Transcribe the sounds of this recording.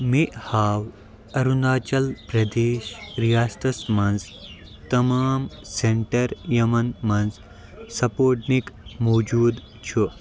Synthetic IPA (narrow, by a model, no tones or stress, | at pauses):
miʔhaːw | ɐɾund̪aːt͡ʃɐlpɾɐd̪eːʃɾijaːst̪ɐsmɐnz | t̪ɐmaːmseɳʈɐɾjɐmɐnmɐnz | sɐpoːʈnikmoːd͡ʒuːd̪ | t͡ʃʰu